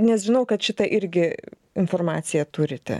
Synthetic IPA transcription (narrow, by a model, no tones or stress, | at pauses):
nʲɛsʒʲɪnɐʊkɐt̪ʃʲɪt̪ɐʔɪɾʲɡʲɪ | ɪnfoːrmɑːt̪sʲɪjɛt̪ʊɾʲɪt̪ʲɛ̰